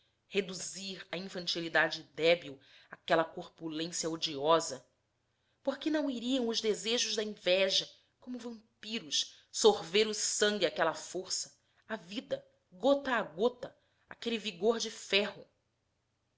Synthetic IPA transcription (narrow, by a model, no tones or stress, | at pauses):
hed̪uziɾɐĩfɐ̃nt͡ʃilid̪ad͡ʒɪd̪ɛbiw | akɛlɐkoɾpulẽsijɐod͡ʒiɔzɐ | poɾkɪnɐ̃w̃iɾiɐ̃w̃ʊʒd̪ezeʒʊʒd̪ɐĩvɛʒɐ | kõmʊvɐ̃mpiɾʊʃ | soɾveɾʊsɐ̃ŋɡʲiakɛlɐfoɾsɐ̥ | avid̪ɐ | ɡot̪ɐːɡot̪ɐ | akeliviɡoɾd͡ʒɪfɛɦʊ